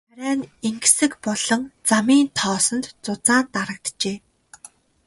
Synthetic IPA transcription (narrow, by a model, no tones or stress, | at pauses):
æɾʲæːneŋɡsɘ̆kpɔɮ̥ɞ̆ŋt͡samiːnt̪ʰɔːsɞ̆nt̪t͡sʊt͡saːnt̪aɾə̆k̚t̪t͡ɕeː